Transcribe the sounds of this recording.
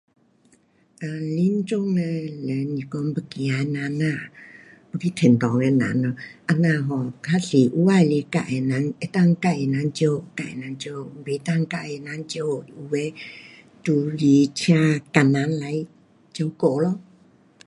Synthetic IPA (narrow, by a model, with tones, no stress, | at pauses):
ʔa˧li˧˦nt͡ɕo˦˧ŋnɛ˧lə˨nĩ˨kɔ˧m˦bə˧˨ki˨a˨˧nã˧nã˧˨ | bə˧kʰi˧˦t̪ʰe˨nt̪ɔ˨ŋe˧nã̰˨˦nɔ˧ʔa˧nã˧˨ɦɔ˨kʰa˦ɬi˨ʔu˧˦wa˧˨˧li˧˦ka̰˧˨e˧nã˨˧˦ne˧˦t̪a˥˧˨ŋ˧ka˧˨e˧˨na˨˦nt͡ɕjo˧ka˧˨ḛ˨nã˨˦nt͡ɕjo˧be˨t̪a˧˨ŋ˧ka˧ʔe˧˨na˨˧˦nt͡ɕjo˧i˨u˧we˧˦ | t̪u˧li˧t͡ɕʰja˧ka˨nã˨˦nla˨˧˦j | t͡ɕo˧wko˧˨lo˧˦